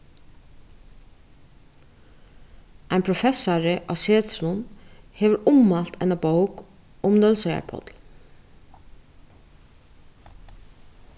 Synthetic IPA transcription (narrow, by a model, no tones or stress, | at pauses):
ʔæɪnpʰɾʊfɛsaɹəʔɑ̰seːt̪slʊnheːʋəɾʊmːɑlt̪ʰæɪnaboʊk | ʊmnœlsœʏa̰pʰɔ̰t̪l̩